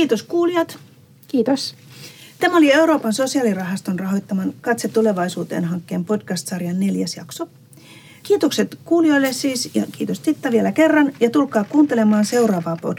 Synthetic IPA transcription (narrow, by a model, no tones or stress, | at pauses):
kiːt̪oskuːliɑt̪ | kiːt̪os | t̪æmæo̞lie̞uɾo̞ːpɑnso̞siɑlirɑɦɑst̪onrɑɦo̞jt̪ːɑmɑnkɑt̪set̪ːule̞ʋɑisuːt̪ḛːnɦɑŋkːe̞ːmpo̞dkɑst̪sɑrjɑnːe̞ljæsjɑ̰kso | kiːt̪okse̞t̪kuːlijo̞jlːessiːsjɑkiːt̪ost̪it̪ːɑʋielæke̞rːɑnjɑt̪ulkɑːkuːnt̪e̞le̞mɑːnse̞uɾɑːʋɑːpo̰d